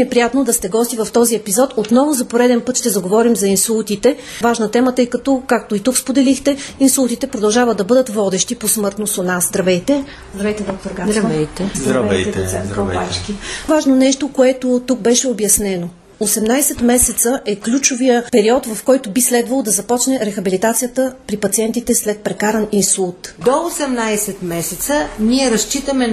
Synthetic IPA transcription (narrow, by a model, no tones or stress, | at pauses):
ɛpɾijat̪nod̪ɐst̪ɛɡɔst̪ivɐft̪ɔziɛpizɔt̪ot̪nɔvʊzɐpoɾɛd̪ɛnpɤt̪ʃt̪ɛzɐɡovɔɾimzɐinsulˠt̪it̪ɛ | vaʒnət̪ɛmət̪ɤjkɐt̪ɔkak̚t̪oit̪ukspod̪ɛlixt̪ɛinsulˠt̪it̪ɛpɾod̪ɐlˠʒavəd̪d̪ɐbɤd̪ət̪vɔd̪ɛʃt̪iposmɤɾt̪nosonazd̪ɾɐvɛjt̪ɛ | zd̪ɾɐvɛjt̪ɛd̪ɔk̚t̪oɾɡaɐvɛjt̪ɛzd̪ɐvɛt̪ɛsɛnkopat͡ʃkivaʒnonɛʃt̪okoɛt̪ot̪uk̚bɛʃɛobjɐsnɛno | osɛmnajsɛt̪mɛsɛt̪səʔɛklʲut͡ʃovijəpɛɾiɔt̪vɐfkɔjt̪ʊbislɛd̪vɐlˠod̪ɐzɐpɔt͡ʃnɛɾɛxɐbilit̪at̪sijət̪əpɾipɐt̪siɛnt̪it̪ɛslɛt̪̚pɾɛkaɾɐninsulˠt̪d̪oosɛmnajsɛt̪mɛsɛt̪səniɛɾɐst͡ʃit̪əmɛ